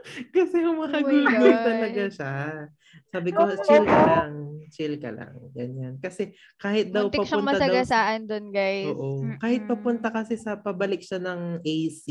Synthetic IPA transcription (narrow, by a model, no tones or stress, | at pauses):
kɐsɛʊŋmɐkɐɡuːɡojt̪ɐlɐɡaʃa | saːbɪkot͡ʃilkɐlaŋt͡ʃɪlkɐ̰lɐ̰ŋɡɐɲankɐsɛ | kaːhɪt̪̚d̪ɐwt̪ɪpɐʃɐʊnŋmɐasɐd̪ɐɡwsaːʔɐnd̪onɡajoːʔokaːhɪt̪̚pɐpʊnt̪ɐkɐsɪsɐpɐbɐlɪk̚ʃanɐŋʔɛjsi